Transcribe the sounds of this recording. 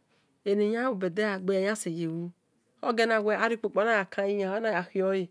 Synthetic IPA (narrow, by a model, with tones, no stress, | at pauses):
e˨ne˨ɲa˦wu˨bɛ˨dɛ˦a˨ɡ͡bɛ˧˦˨ɲa˦si˨je˨wu˧ | ɔ˦ɡɛ˧na˧˨ɡʷɛ˨a˦ɾi˦k͡po˨k͡pɔ˨˦na˦ja˨kʰã˧ji˧ɲã˨ɔ˦na˦ja˨xi˨ɔ˦ji˨